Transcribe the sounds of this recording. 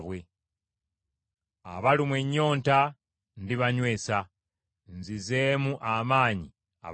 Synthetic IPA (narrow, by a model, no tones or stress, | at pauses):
βwe | a̰βalimweɲːo̞ːnta | ndiβaɲwe̞ːsa | nzizemuʔamaːɲi | a̰